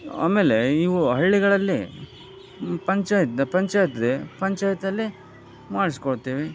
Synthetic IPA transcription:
a̰ːmeːle̞iʋuɦɐɭːiɡɐɭɐlːi | pɐɲt͡ʃaːjt̪pɐɲt͡ʃaːjt̪d̪epɐɲt͡ʃaːjɐt̪ɐlːi | maːɽisi̥koɭt̪ːiːʋe

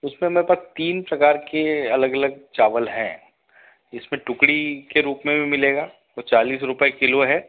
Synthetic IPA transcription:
ʊsmẽmeːɾepaːst̪iːnpɾɐkaːɾkeɐləɡɐləɡ̚t͡ʃaːʋəlɦɛ̰̃ː | ɪsmẽʈʊkɽikeɾuːpmẽbʱimɪleːɡaː | ot͡ʃaːliːs̬ɾʊpekɪloɦɛː

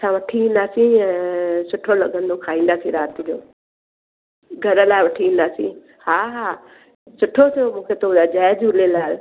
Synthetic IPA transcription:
sʰãːʋɐʈʰiĩːn̆d̪aːsĩɛ̃ːsʊʈʰolɐɠə̃nd̪okʰaːĩːn̆d̪aːsĩɾaːt̪ɪd͡ʑoː | ɡʱɐɾəlaːɪʋɐʈʰiĩːnd̪aːsḭ̃ | haːɦaː | sʊʈʰot̪ʰijomũːkʰet̪oad͡ʑɛːd͡ʑʊlelaːl

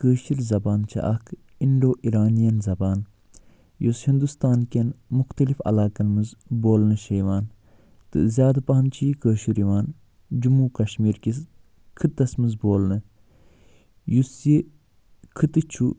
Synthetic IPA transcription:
kəːʃiɾzɐbaːnt͡ʃʰɐ̰ʔɐk | inɖoːʔiɾaːnijɐnzɐbaːn | jushind̪ust̪aːnkʲɐnmuxt̪ɐlifɐ̰laːkɐnmɨzboːlnɨʃɐjʋaːn | t̪ɨ̰zʲjaːd̪ɐpɐɦɐnt͡ʃʰijkəːʃiɾiʋaːn | d͡ʒumuːkɐʃmiːɾkis | kʰɨt̪ːɐsmɨzboːlnɨ | jusji | kʰɨt̪ɨt͡ʃʰu

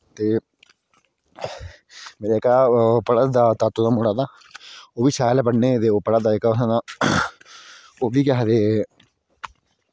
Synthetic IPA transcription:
t̪eː | meːɾaːɪkaːpəɽad̪aːt̪aːt̪ːod̪aːmʊɽaːd̪aː | oːʋiːsaːlpəɽneːt̪eːoːpəɽad̪aːɪkaːʊsãd̪aː | oːʋiːkɛɦd̪eː

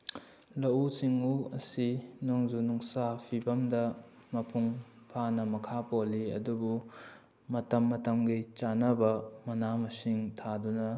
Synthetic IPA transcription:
lɐusiŋuɐsinoŋzunuŋsapʰibɐmdɐ | mɐpʰuŋ | pʰanɐmɐkʰapolːiɐ̰dubu | mɐtɐmːɐtɐmɡejt͡ʃanɐbɐmɐnamɐsiŋtʰadunɐ

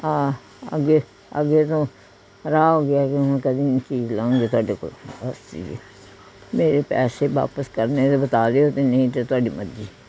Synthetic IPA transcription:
ãː | ə̰ɡeː | ə̰ɡeːt̪õː | ɾaːɦoːɡɪaːkɪɛ̃ːkəd̪iːt͡ʃiːzlaõːŋɡeːt̪ʊaːɖeːko̰ːləst͡ʃḭːd͡ʒeː | meːɾeːpɛːseːʋa̰ːpəskəɾneːd̪ebət̪aːd̪eːoːt̪enə̃ĩːt̪et̪ʊaːɖiːmədd͡ʒiː

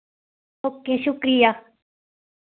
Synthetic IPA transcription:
okːeʃukɾia

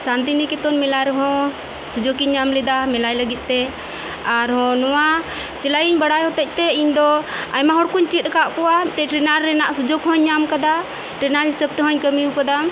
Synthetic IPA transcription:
sant̪̬inikɛt̪ɔnmɛlaɾɛɦɔ̃ | sud͡ʒokiɲːamlɛd̪amɛlajləɡit̪̚ˀt̪ɛ | aɾhɔ̃nɔwa | silajiɲbaɽajɦɔt̪ɛc̚ˀt̪ɛiɲd̪ɔa̰jmaɦɔɽkuɲt͡ʃit̪̚ˀkaʔkɔwaʈ̪ɛʈɾɛnaɾːɛnaʔsud͡ʒokhɔ̃ɲːamkad̪a | ʈɾɛnaɾhisəb̚t̪ɛɦɔ̃ɲkəmiukad̪am

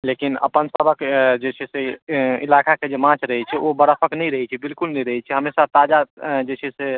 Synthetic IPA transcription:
lekinə̰pənsəbʱəkd͡ʒet͡ʃʰɛseḭlakaked͡ʒemãt͡ʃʰɾəɦɛt͡ʃʰɛʔobəɾəpʰəknɛjɾəɦɛt͡ʃʰɛbilkulnɛjɾəɦɛt͡ʃʰɛɦəmesat̪ad͡ʒad͡ʒet͡ʃʰɛse

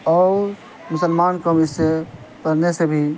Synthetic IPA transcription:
ɔ | mʊsəlmankəmise | pəɾnesebʱi

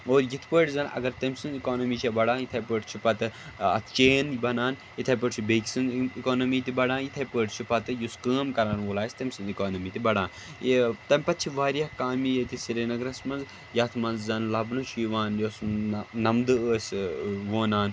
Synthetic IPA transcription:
oːɾjit̪ʰpəːʈzɐːnʔɐ̰ɡɐɾt̪ɐmʲsɨnikoːnɐmit͡ʃʰɐbɐɽãːnjit̪ʰɐpəːʈt͡ʃʰipɐt̪ɨɐ̰t̪ʰt͡ʃeːnbɐnaːn | it̪ʰɐpəːʈt͡ʃʰibekʲsinikoːnɐmiːt̪ibɐɽãːnjit̪ʰɐpəːʈt͡ʃʰipɐt̪ɨjuskəːmkɐɾaːnʋolaːsʲt̪ɐmʲsɨnikoːnɐmiːt̪ibɐɽaːn | t̪ɐmʲpɐt̪̚ʲt͡ʃʰiʋaːɾijɐhkaːmijet̪isiɾenɐɡɾɐsmɐnz | jɐt̪ʰmɐnzzɐnlɐbnuʃiːʋaːnjosnɐmd̪ɨəːsʲʋoːnaːn

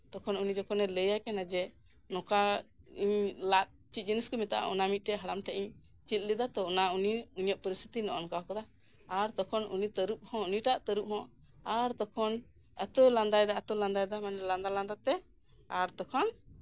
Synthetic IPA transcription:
t̪ɔkʰɔnunid͡ʒɔkʰɔnɛləjajkanad͡ʒɛ | nɔkaiɲlat̪̚t͡ʃit̪̚d͡ʒiniskɔmit̪aʔa̰ʔɔ̰namit̪̚ʈɛɦaɽamʈʰaʔiɲ | t͡ʃit̪̚lid̪at̪ɔɔnauniuɲəʔpəɾist̪ʰi̥t̪inɔʔɔ̰nkaɔkad̪a | aɾt̪ɔkʰɔnunit̪əɾup̚hɔ̃uniʈaʔt̪əɾup̚ɦɔ̃ | aɾt̪ɔkʰɔn | ət̪ɔland̪ajd̪aət̪ɔland̪ajd̪amanɛland̪aland̪at̪ɛ | aɾt̪ɔkʰɔn

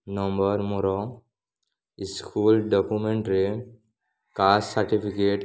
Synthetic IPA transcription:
nɔmbəɾmoɾɔ | iskʰuːlɖɔkumẽɳʈɾe | kassəɾʈipʰikeʈ

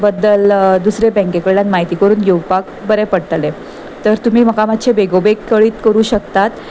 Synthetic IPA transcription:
bəd̪ːəld̪usɾebɛ̃ŋkekəɭɭãnmaɦit̪iːkəɾuːnjowɡpak | bəɾepəɽʈle | t̪əɾt̪um̤iːməkamat̪ːɕʰebeɡobekːəɭiːt̪kəɾuːɕəkt̪at̪

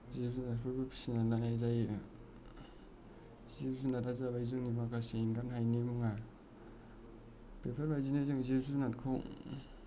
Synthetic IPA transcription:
zezunapʰɯɾbɯpʰi̥sinalanajzaj | zezunatazabajzɯŋnimakasenɡanhajnimuŋa | pepʰeɾbajzinazɯŋzezunat̚kʰɔŋ

